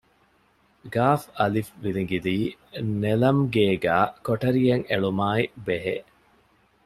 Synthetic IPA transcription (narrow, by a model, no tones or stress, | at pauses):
ɡaːfɐlifʋiliŋɡid̪iːnelɐmɡeːɡæːkoʈɐɾijɐŋeɭumaːibeɦe